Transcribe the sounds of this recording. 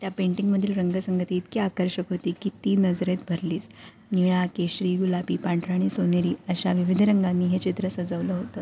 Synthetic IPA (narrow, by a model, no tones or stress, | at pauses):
t̪japeɳʈiŋɡməd̪ʱiːlɾəŋɡəsəŋɡət̪iːt̪̚kiakəɾɕəkɦot̪iːkit̪iːnəd͡zɾet̪̚bʱəɾliːs | niɭ̃akeɕɾiːɡulapiːpaɳʈɾaɽ̃isoneɾiːəɕaʋiʋid̪ʱɾəŋɡanːiːɦet͡ɕit̪ɾəsəd͡zəʋləɦot̪əː